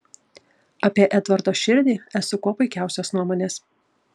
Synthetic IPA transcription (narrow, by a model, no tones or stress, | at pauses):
ɐpʲiɛʔæt̪ʋɐɾd̪oːʃʲɪɾʲd̪ʲiːæsʊkoːpɐɪkʲæˑʊsʲosnuɔmoːnʲeːs